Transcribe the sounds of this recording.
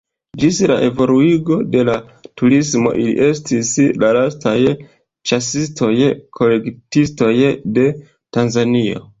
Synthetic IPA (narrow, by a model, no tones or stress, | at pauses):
d͡ʒisɾa̰ʔe̞vo̞luiɡo̞de̞latuɾismo̞̰ʔilḭʔe̞stislalastʰaj | t͡ʃasistʰo̞jkʰo̞le̞ktisto̞jde̞ | tanzanio̞̰